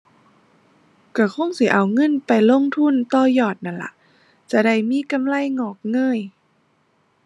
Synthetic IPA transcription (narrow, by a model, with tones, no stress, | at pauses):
ka˧˩kʰo˧˥˨ŋsi˧˦ʔa˨˩wŋɤ˧˥˨npa˨jlo˧˥˨ŋt̪ʰu˧˥˨nt̪ɔː˧˩jɔː˧˩t̪̚na˧˩nla̰˧˦ʔ | t͡ɕa˧˩da˧˩jmiː˧˥˨ka˧˨mla˧˥˨jŋɔː˧˩k̚ŋɤː˧˥˨j